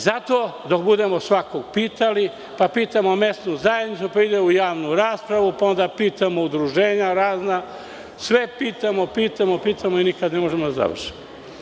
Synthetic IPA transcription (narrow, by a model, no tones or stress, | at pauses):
zat̪oːd̪okbud̪emo̞sʋakoɡpiːt̪ali | papiːt̪amome̞st̪nuzajed̪nitsupaid̪eujaːʋnuɾaːspɾaʋupao̞nd̪apiːt̪amoud̪ɾuʒeːɲaɾaːzna | sʋepiːt̪amopiːt̪amopiːt̪amoinikad̪nemoʒemod̪aza̰ʋ̰r̩ʃi̥mo